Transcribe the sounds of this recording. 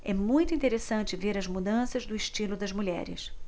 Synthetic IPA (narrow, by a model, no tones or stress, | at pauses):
ɛmũj̃t̪ʊĩt̪eɾesɐ̃nt͡ʃɪveɾɐzmud̪ɐ̃sɐzd̪ʊɪʃt͡ʃilʊd̪ɐzmuʎɛ̰ɾɪ̰s